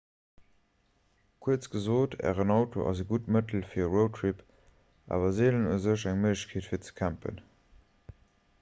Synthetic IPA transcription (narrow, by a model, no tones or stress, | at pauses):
kʰuət͡sɡ̥əzoːtʰæ̰ːʁənɑʊtʰo̰ʔɑ̰zəɡutmətl̩fiːɐʁotʰʁip | ʔa̰ːvɐzeːlənə̰zəʃæŋməəɕkʰeːtfiːɐt͡sə̥kʰæmpə̰n